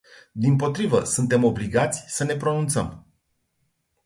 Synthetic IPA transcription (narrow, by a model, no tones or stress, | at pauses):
d̪impo̞t̪ɾivəsunt̪e̞mo̞bliɡat̪sʲsəne̞pɾo̞nunt̪sə̰m